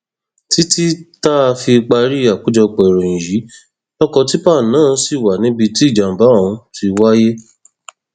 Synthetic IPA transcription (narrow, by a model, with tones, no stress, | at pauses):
ti˦ti˦ta˦˧fi˧k͡pa˧ɾi˦a˨k͡pu˨˦d͡ʒɔ˧k͡pɛ˨ɾɔ̃˨ĩ˨ji˨˦ | lɔ˦kɔ˧ti˦pa˦˨nãː˦˨˦si˨wa˨nĩ˦bi˧ti˦˨d͡ʒa˨m̩˨ba˨˦ɔ̃˧ti˧wa˦je˦